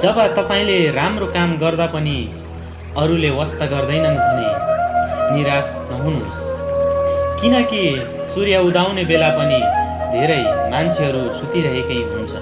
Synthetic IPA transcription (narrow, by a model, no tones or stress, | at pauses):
d͡zʌbʌt̪ʌpaĩleramrokamɡʌrd̪apʌni | ʌɾulewʌst̪aɡʌrd̪ʌjnʌnkʰune | niɾas | nʌɦunus | kinʌki | suɾjaud̪awnebelapʌnid̪ʱeɾʌjmant͡sʰeɦʌɾusut̪iɾʌɦekʌjɦunt͡sʰʌ̰